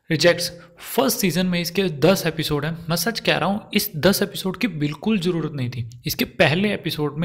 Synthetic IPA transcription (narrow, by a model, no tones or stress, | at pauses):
ɾɪd͡ʒɛk̚ʈs | fəɾsʈsiːzənmẽɪsked̪ɐseːpɪsoːɖɦɛ̃mɛ̃ːsɐt͡ʃkɛ̰ɦɾʔɐːɦũɪsd̪ɐsepɪsoːɖkibɪlkʊlzɐɾuːɾət̪nɐɦĩt̪ʰiɪskepɛɦleeːpɪsoːɖmẽ